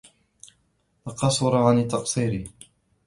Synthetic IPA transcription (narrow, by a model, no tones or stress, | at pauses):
lɑqɑsˤʊɾʕanɪt̪ːɑqsˤiːɾi